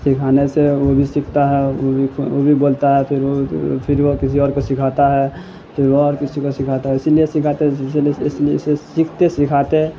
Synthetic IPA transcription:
sɪkʰaːneseʋobʱisɪkʰt̪aɦɛobʱiobʱiboːlt̪aɦɛpʰɪɾopʰɪɾʋokɪsiɔːɾkosɪkʰat̪aɦɛ | pʰɪɾoɔːɾkɪsikosɪkʰaːt̪aɦɛɪsliesɪkʰaːt̪esleɪsliɪsesɪkʰt̪esɪkʰaːt̪e

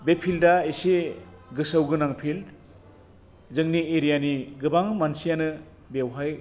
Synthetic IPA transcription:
bepʰildaeseɡɯsawɡɯnaŋpʰil | zɯŋnieɾijaniɡɯbaŋmansijanɯ | bewɦaj

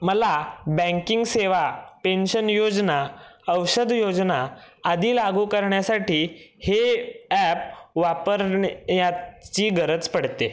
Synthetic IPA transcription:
məlabɛ̃ŋkiŋɡseʋapenɕənjod͡znaəwɕəd̪ʱjod͡znaːd̪ʱiːlaɡuːkəɾɳjasaʈiːheɛp̚ʋapəɾɳjat͡ɕiːɡəɾət͡spəɽt̪e

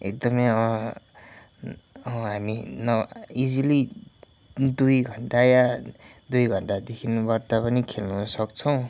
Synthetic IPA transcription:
ḛk̚d̪ʌmʌjʌ | ʌɦaminʌid͡zili | d̪ujɡʱʌɳʈajad̪ujɡʱʌɳʈad̪ekʰinubʌrt̪apʌnikʰelnusʌkt͡sʰʌw̃

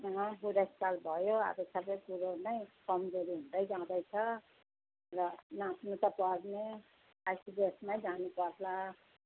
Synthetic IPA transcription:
sʌŋʌbuɾʌskalbʱʌjoa̰bʌsabʌkuɾonʌjkʌmd͡zoɾiɦũnd̪ʌjd͡zãw̃d̪ʌjt͡sʰʌ | rʌnasnut̪ʌpʌɾne | aʈibesmajd͡zanupʌɾla

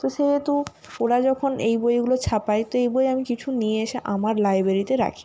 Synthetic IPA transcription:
t̪oʃeet̪u | oɽad͡ʑɔkʰonejbojɡulot͡ɕʰapajt̪oejbojamikit͡ɕʰunijeeʃeʔamaɾlajbɾeɾit̪eɾa̰kʰi̥

